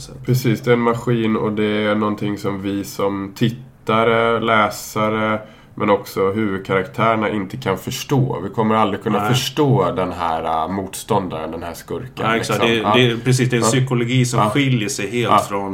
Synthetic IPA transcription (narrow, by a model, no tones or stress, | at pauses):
pʰɾɛsiːsd̪ɛɛnmaɧiːnɔ̰d̪ɛæɳɔnt̪ʰɪŋːsɔmvɪsɔmt̪ʰɪt̪ːaɾəlɛːsaɾə | mʔɛnɔksɔɦʉ̟ːvɵd̪̚kʰaɾakt̪ʰæːɾəɳaʔɪnt̪əkʰanfœʂʈo̰ːvɪkʰɔmːəɾald̪ɾɪkʰɵnːaaffœʂʈoːd̪ɛnɦæ̰ːɾa̰muːt̪st̪ɔnd̪aɾə̰nd̪ɛnhæ̰ːʂkɵɾka̰sdd̪ɛpʰɾɛs̬iːs̬d̪ɛsʏkʊlʊɡiːsɔɧɪljəʂɛjɦeːlt̪fɾɔn